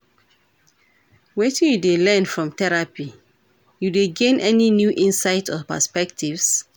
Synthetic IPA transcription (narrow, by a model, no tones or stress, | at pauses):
wetĩjudelɛ̃nfɹɔ̃mtɛɹapi | judeɡẽnʔɛninjuʔĩnsaɪtɔpə̰spɛk̚tʰivs